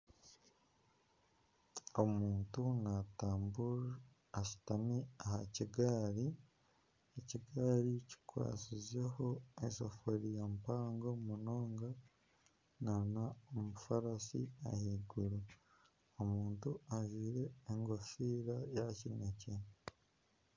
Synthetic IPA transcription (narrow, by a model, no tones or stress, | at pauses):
o̞muːntunataːmbuɾ | asi̥tamiahaciɡaːɾi | eciɡaːɾici̥kwa̰ːsizeho̞esofoɾijampaːŋɡo̞muno̞ːŋɡa | nanaomufaɾasḭa̰hiɡuɾu | omuːntuaviːɾe̞ːŋɡofiɾajacinece